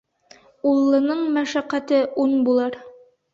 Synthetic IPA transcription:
ulˠːɤ̆nɤɴmæʃæqːæt̪ɘʔunbulˠɑɾ

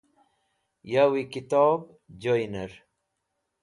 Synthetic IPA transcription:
jawikit̪ɔːb | d͡ʑojnaɾ

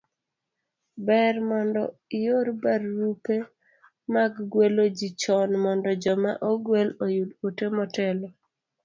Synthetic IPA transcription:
bɛrmɔndɔɪjoɾbarːupe | maɡɡwelod͡ʒit͡ʃɔnmɔndɔd͡ʒɔmaʔoɡwelojudotemɔtɛlɔ

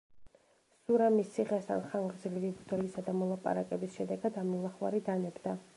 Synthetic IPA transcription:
suɾamisiʁɛst̪ʰa̰nχaŋʁzilivibd̪ɔlisad̪amɔlˠapʼa̰ɾakʼɛbisʃɛd̪ɛɡad̪amilˠaχwa̰ɾid̪anɛbd̪a

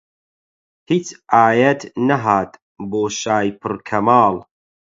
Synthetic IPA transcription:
hiːt͡ʃʔaːjɐt̪nɐɦaːt̪ | boːʃaːjpʰɨɾkʰɐmaːlˠ

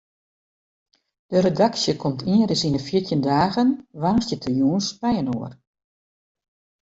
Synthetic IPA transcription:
d̥əɾedaksjəkʰɔmtʰiəɾɪsinəfjitjəndaːɣənʋanstjətʰəjuːənspɛjənoər

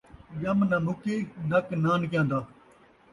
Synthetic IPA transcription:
d͡ʒəmnãːnukeːnəknaːnk̬jãːnd̪aː

